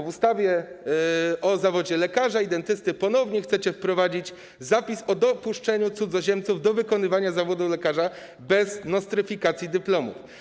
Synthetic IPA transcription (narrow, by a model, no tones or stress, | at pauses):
vust̪avʲjɛ | ʔɔzavɔd͡ʑɛlɛkaʐaid̪ɛnt̪ɘst̪ɘpɔnɔvɲɛxt̪sɛt͡ɕɛfpɾɔvad͡ʑit͡ɕ | zapʲisɔd̪ɔpuʂt͡ʂɛɲut̪sud̪zɔʑɛmt̪suvd̪ɔvɘkɔnɘvaɲazavɔd̪uflɛkaʐa | bɛznɔst̪ɾɘfʲikat̪sʲjid̪ɘplɔmṵf